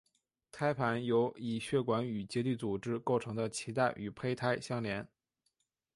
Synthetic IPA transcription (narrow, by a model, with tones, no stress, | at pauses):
t̪ʰa˥ɪpʰa˧˥njo˧˥ʊi˨˩ɕɥɛ˥˩kwa˧˥ny˨˩t͡ɕjɛ˧˥t̪y˥˩t͡su˨˩ʈ͡ʂɻ̩˥ko˥˩ʊʈ͡ʂʰɤ˧˥ŋd̪ə˧t͡ɕʰi˧˥t̪a˥˩ɪʔy˨˩pʰe˥ɪt̪ʰa˥ɪɕjɑ˥ŋljɛ˧˥n